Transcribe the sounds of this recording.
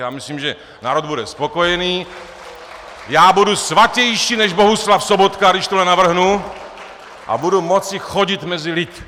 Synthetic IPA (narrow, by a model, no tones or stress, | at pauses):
jaːmɪsliːmʒɛ | naːɾod̪̚budɛspo̞ko̞jɛniː | jaːbudusvacɛjʃiːnɛʒbo̞ɦuslafsobot̪kadɪʃt̪olɛnavr̩ɦnu | ʔa̰budumot͡sɪxoɟɪt̪mɛzɪlɪt̪